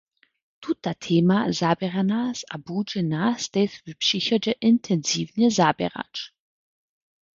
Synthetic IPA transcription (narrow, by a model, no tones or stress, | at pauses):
tʰut̚ːatʰeːmazabɛʁanaːsabuːd͡ʒɛnaːst̪ɛsvypʃiçɐd͡ʒɛʔɪntʰɛnziːvnəzaːbɛ̰ʁa̰t͡ʃ